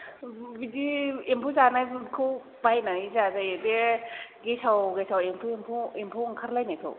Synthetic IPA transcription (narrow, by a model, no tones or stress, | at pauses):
bidiempʰuzanakʰɯw | bajnaizazaedeɡesawɡesawempʰuempʰuempʰuŋkʰaɾlajnatʰo̰